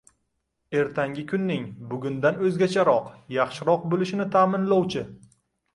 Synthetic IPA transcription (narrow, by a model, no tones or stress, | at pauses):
e̞ɾt̪ʰaŋɡʲɪkʲʰʊnːɪŋbʊɡʲʊnd̪anɵzɡʲat͡ʃʰaɾɒqjɑχʃɪɾɒq̚bolɪʃɪnɪt̪ʰaːmɪnlɒwt͡ʃʰɪ